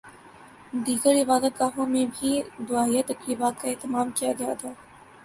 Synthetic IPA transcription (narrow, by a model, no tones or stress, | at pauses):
d̪iːɡəɾɪfaːzət̪̚ɡaːɦõmẽbʱid̪ʊaːijat̪ɐkɾiːbaːt̪̚kaɛːt̪ɪmaːmkijaɡɐjat̪ʰaː